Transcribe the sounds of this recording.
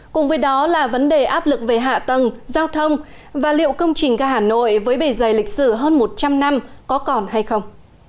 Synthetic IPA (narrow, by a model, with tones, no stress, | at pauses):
kʊ̰˨˩ŋ͡mvəː˨˦jɗɔ˨˦laː˨˩və˨˦nɗe˨˩ʔaː˦˥p̚lɨ˨˩k̚ve˨˩ɦa̰ː˧˨t̪ə˨˩ŋzaː˧wt̪ʰə˧wŋ͡m | vaː˨˩lḭ˧˨əwkə˧wŋ͡mt͡ɕï˨˩ŋ̟kaː˧˩ɦaː˧˨˩no̰˧˨jvəː˨˦jɓe˧˩zə˨˩jlï˨˩k̟̚sɨ˧˩ɦəː˧nmo˨˩t̚t͡ɕa˧mna˧mkɔ˨˦kɔ˨˩nha˧jxə˧wŋ͡m